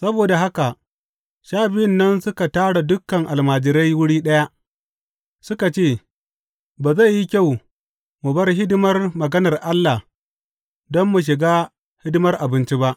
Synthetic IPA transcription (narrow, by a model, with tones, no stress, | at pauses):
sɐ˦boː˨da˨ɦa˦ka˨ʔ | ʃaː˦bɪ˦jɪ˦nːɐ˦nsʊ˦ka˨taː˦ɽa˨dʊ˦kːɐ˨ŋʔa˨lmaː˨d͡ʒɪ˨ɾa˦jwʊ˦ɽiː˦ɗɐ˦ja˦ | sʊ˦ka˨t͡ʃeː˦˨ | baː˨za˦˨jːi˦kʲa˦˨w | mu˨bɐ˦rɦɪ˦dɪ˦mɐ˦rmɐ˨ɡɐ˦nɐ˨rʔa˦lːa˨ | dɔ˦mːu˨ʃ̬ɪ˨ɡaː˦ | hɪ˦dɪ˦mɐ˦rʔa˨bɪ˦nt͡ʃi˦ba˦ʔ